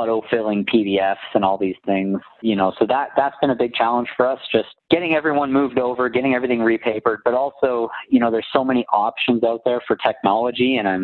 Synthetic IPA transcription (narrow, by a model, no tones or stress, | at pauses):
ʌɾoʊfɪlˠɪ̃ŋpʰiɾiɛfsɨ̃nɔlˠðiz̥θɪ̃ŋz̥jɨnoʊsoʊðət̪̚ðætsb̥ɨ̃nɨbɪɡ̚t͡ʃʰælˠə̃nʒ̥fə˞ʌsd̥ʒ̥ʌst̚ɡ̥ɛɾɪ̃ŋɛvɹiwʌ̃nmuvdoʊvə˞ɡɛɾɪ̃ŋɛvɹiθɪ̃ŋɹipʰeɪpə˞d̚bʌɾɔlˠsoʊjɨñoʊðə˞z̥soʊmɛniʔɑpʃɨ̃nzaʊt̪̚ðə˞fə˞tʰɛk̚nɑlˠəd͡ʒiɨ̃ñãɪ̃m